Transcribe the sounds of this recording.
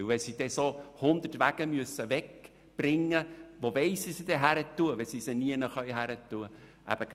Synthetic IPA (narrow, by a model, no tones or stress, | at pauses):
vɛsid̥ɛsohʊnd̪ətʋæɡ̥əmyəsəvɛk | b̥rɪŋːəʋovɛɪsisid̥ɛɦæɾətːuəʋɛsisəniənəχœɥɦæɾətːuəʔæ̰b̥ək